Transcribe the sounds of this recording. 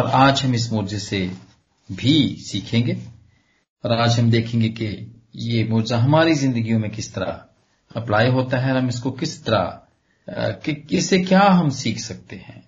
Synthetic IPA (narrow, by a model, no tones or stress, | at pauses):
ɔːɾaːd͡ʒɦɐmɪs̬moːd͡ʒzese | bʱisiːkʰẽːŋɡeː | ɔːɾaːd͡ʒɦɐmd̪eːkʰẽːŋɡeke | jemoːd͡ʒzaɦɐmaːɾizɪ̃nd̪əɡijõmẽkɪst̪ɐɾa̰ | ɐplaːiɦoːt̪aɦɛɔːɾɦɐmɪskokɪst̪ɐɾa̰ | kkɪsekjaːɦɐmsiːkʰsɐk̚t̪eɦɛ̰̃ː